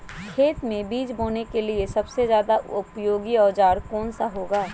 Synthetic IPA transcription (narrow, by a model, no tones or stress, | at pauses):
kʰeːt̪mẽbiːd͡ʒboːnekeliesɐbsezjaːd̪aʊpjoːɡiɔːd͡ʒaːɾkɔːnsaɦoːɡaː